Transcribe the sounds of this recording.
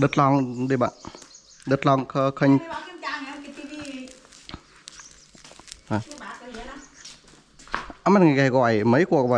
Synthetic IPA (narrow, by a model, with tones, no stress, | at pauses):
ɗɨ˨˧˩t̚lɔ˧ŋɗi˧ɓa̰ː˧˨n | ɗɨ˨˧˩t̚lɔ˧ŋkʰə˧kʰə˧ɲ˨˧ | a˨˩˧ | a˧ma˧˩ŋa˨˩ka˧˩ɣɔ̰˧˨jmə˨˦jku˧˩ək̚ɓa̰˧